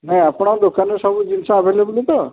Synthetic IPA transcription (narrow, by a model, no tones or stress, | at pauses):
nãapɽ̃ãd̪okanesɔbud͡ʒinsãːbʱeleblit̪ɔ